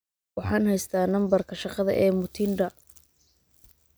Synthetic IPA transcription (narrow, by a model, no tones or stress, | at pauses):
wɑħɑːnhɛjst̪ʰaːnɐmbɐrkʰɐʃɑqɑðɐ̰ʔɛːmʊt̪ʰinɖɐ